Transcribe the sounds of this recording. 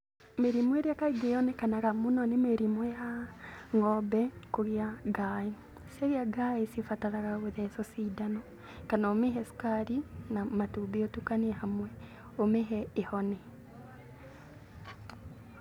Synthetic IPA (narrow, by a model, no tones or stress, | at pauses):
meɾimweɾjakaiɡeɔnekanaɣamunɔnemeɾimwejaŋɔbɛkoɣiaɡae | saɣjaɡaesifataɾaɣaɣoðɛsɔsidanɔ | kanaomeɦɛsu̥kaɾinamatubiotukanhamwɛ | omeɦɛːhɔnɛ